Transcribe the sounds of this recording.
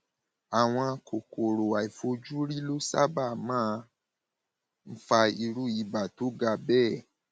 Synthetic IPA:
a˨w̃ɔ̃˧a˧kʰo˨ko˨ɾo˨a˨i˨fo˧d͡ʒu˦ɾi˦lo˦sa˦ba˦˨mãː˦˧ | m̩˦fa˧i˧ɾu˦i˨ba˨to˨˦ɡa˧bɛː˦˨

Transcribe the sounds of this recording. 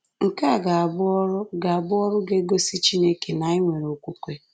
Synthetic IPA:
ŋ̩˨ka˦˨ɡa˨bɾɡa˨a˨bʊ˦ɔ˦ɾʊ˦ɡe˦ɡo˦si˦t͡ʃi˦ne˦ke˨na˨i˦ŋʷe˨ɾo˨kʷu˦kʷe˦

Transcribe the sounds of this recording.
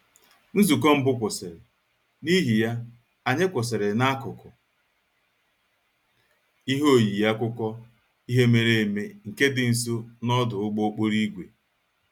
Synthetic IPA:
n̩˦zu˨k̬ɔ˦m̩˦bʊ˦kʷʊ˨sɪ˨ɾɪ˨ | ni˦ɦi˨ja˦ | a˨ɲe˦kʷʊ˨s̬ɪ˨ɾɪ˨na˦kʊ˨kʊ˨ | i˦ɦo˦˨ji˨ja˦kʊ˦kʷɔ˦ | i˦ɦe˦me˨ɾe˦e˨me˦ŋ̩˨ke˦dɪ˨n̩˨s̬o˦nɔ˦dʊ˨ʊ˦ɡ͡bo˦k͡po˦ɾi˦ɡʷe˨

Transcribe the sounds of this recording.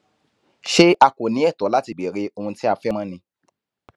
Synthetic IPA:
ʃe˦a˧ko˨nĩ˨˦ɛ˦˨tɔ˨˦la˦ti˧˨be˨ɾe˨˦ʔo˧hũ˧ti˦a˧fɛ˦mã˦nĩ˧

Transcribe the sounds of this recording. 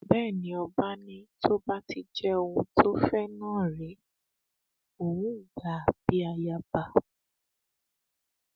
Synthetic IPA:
bɛː˦˨nĩ˦ɔ˧ba˦nĩ˦tʰo˦ba˦ti˦d͡ʒɛ˦o˧ũ˧tʰo˦fɛ˦nãː˦˨ɾe˨˦ | o˨wũ˦˨ɡa˨a˨b̥i˨˦a˧ja˧ba˧˨

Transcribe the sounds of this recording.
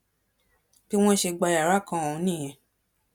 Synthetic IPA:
b̥i˦w̃ɔ̃˦ʃe˧ɡ͡ba˧ja˨ɾa˦˨kã˧˦o˨ũ˨˧˦nĩ˦˨j̃ɛ̃˨

